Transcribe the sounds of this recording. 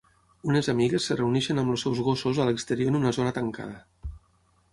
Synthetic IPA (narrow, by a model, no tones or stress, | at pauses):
unezamiɣesːəreunɛʃenəmlosːɛwzɣosozaləkst̪eɾioɾnunazonat̪əŋka̰ð̞ə